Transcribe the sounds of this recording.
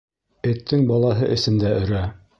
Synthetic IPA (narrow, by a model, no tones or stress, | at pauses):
ɘ̆t̪ʰːɘŋbɑlˠɑɦɤʔɘ̆sɘ̆md̪æɵ̆ɾæ